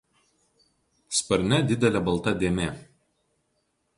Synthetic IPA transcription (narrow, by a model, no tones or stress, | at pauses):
spɐɾʲnʲɛd̪ʲɪd̪ʲɛlʲɛbɐlˠt̪ɐd̪ʲeːmʲeː